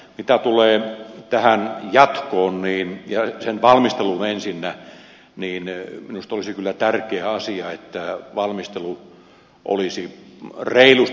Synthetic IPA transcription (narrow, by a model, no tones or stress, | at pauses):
mit̪æt̪uleːt̪æhænjɑt̪koːnniːnjɑsenʋɑlmist̪elunensinːæ | niːnminust̪olisikylːæt̪ærkeːɑsiɑet̪ːæʋɑlmist̪elu | ʔo̰lisireilus